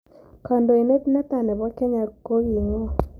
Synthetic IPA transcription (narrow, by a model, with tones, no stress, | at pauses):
ka˨ndo˨e˨ne˦tnɛ˦t̪a˨nɛ˨bɔ˦kɛ˦ɲa˨ko˦ɡi˨ŋɔ˦